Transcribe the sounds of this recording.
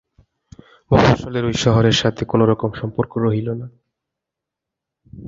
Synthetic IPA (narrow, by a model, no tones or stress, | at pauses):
bɔaʃoleɾojʃɔɦoɾeɾʃat̪ʰekonoɾɔkomʃɔmpoɾkoɾoɦilona